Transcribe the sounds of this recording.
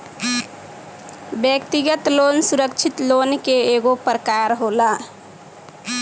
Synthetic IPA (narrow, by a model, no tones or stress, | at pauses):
bjək̚t̪iɡət̪lonsuɾək̚t͡ʃʰit̪lonkeeɡopɾəkaɾɦola